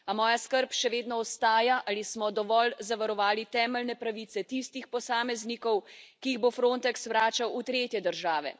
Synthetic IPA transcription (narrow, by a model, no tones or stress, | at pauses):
amɔːjaskəɾpʃɛʋeːd̪nɔɔst̪aːjaʔalismɔd̪ɔʋɔlzaʋaɾɔʋaːlit̪ɛːmɛlnɛpɾaʋiːt̪sɛt̪ist̪ixpɔsaːmɛznikɔwkiiɣbofɾoːnt̪ɛkswɾaːt͡ʃawut̪ɾeːt̪jɛd̪əɾʒaːʋɛ̰